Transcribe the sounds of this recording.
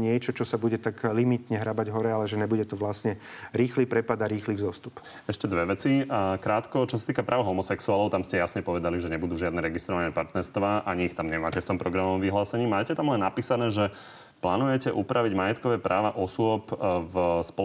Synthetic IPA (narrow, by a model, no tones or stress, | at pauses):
ɲɪɛt͡ʃɔt͡ʃɔsabuɟɛt̪aɡlimit̪ɲɛɦɾabaɟɦɔɾɛalɛʒɛɲɛbuɟɛt̪ɔʋlasɲɛɾiːxlipɾɛpad̪aɾiːxlizɔst̪up | ɛʃcɛd̪ʋɛʋɛt͡sikɾaːt̪kɔt͡ʃɔsat̪iːkapɾʔaːʊɦɔmɔsɛksuaːlɔʊt̪amscɛjasɲɛpɔʋɛd̪aliʒɛɲɛbud̪uːʒɪad̪nɛːɾɛɡist̪ɾɔʋanɛpaɾt̪nɛɾst̪ʋaːʔaɲiixt̪amɲɛmaːcɛft̪ɔmpɾɔɡɾamɔʋɔmʋiɦlaːsɛɲiːmaːcɛt̪amlɛnːapiːsanɛːʒɛ | plaːnujɛcɛʔupɾʔaʋiɟmajɛt̪kɔʋɛːpɾaːʋaʔɔsʊɔpvspɔ